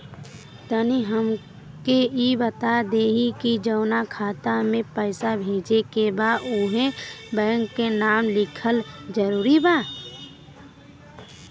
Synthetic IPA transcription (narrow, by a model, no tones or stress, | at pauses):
t̪əniɦəm | keibət̪ad̪eːɦikid͡ʒəːnakʰaːt̪amẽpəɪsabʱeːd͡ʒekebaːuɦẽbɛ̃ːŋkːenaːmlɪkʰəld͡ʒəɾuːɾibaː